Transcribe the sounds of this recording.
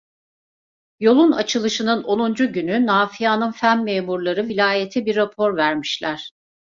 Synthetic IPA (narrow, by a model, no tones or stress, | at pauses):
jo̞lˠunat͡ʃʰɯlˠɯʃɯnɯno̞nund͡ʒuɟynynaːfijanɯnfænmeːmuɾlˠaɾɯvilʲaːjet̪ʰibiɾːapʰo̞ɾvæɾmiʃlʲæɾ̥